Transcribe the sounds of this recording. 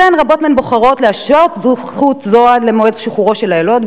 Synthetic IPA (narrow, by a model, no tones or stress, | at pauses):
anʁabo̞t̪menboχaʁo̞t̪leaʃotz | χut̪zoad̪lemoezʃiχuʁo̞ʃelaelo̞d̪